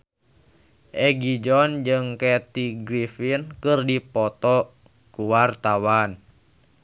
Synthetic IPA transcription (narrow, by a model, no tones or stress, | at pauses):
ʔɛɡid͡ʒɔnd͡ʒɨŋkɛt̪iɡɾifinkɨrdipɔt̪ɔ | kuwart̪awan